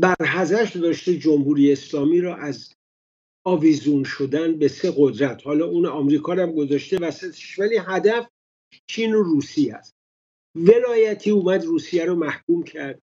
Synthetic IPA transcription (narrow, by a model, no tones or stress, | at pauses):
bæɾɦæzæʃd̪ɒːʃt̪ed͡ʒomhuːɾijeːslɒːmiːɾɒːʔæz | ɒːvizunʃod̪ænbe̞se̞ɣod̪ɾæt̪ʰhɒːlɒːunɒːmɾiːkʰɒːɾæmɡo̞zɒʃt̪evæsæt̪ʰe̥ʃvæliɦæd̪æf | t͡ʃʰiːnoruːsiæst̪ | ve̞lɒːjæt̪ʰiːuːmæd̪ruːsijæɾɔmæhkuːmcʰæɾd̪̥̚